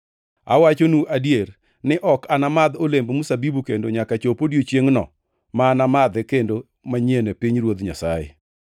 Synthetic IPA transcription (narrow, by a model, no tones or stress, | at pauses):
a̰wat͡ʃonuʔadjer | nɪʔɔkanamad̪olembmusabibukendoɲakat͡ʃopodjot͡ʃjeŋnɔ̰ | maːnamad̪ɛkendo | maɲenepiɲrwod̪ɲa̰sajḛ